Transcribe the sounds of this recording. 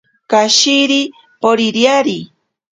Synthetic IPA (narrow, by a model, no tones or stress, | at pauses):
kaʃiɾi | poɾiɾjaɾi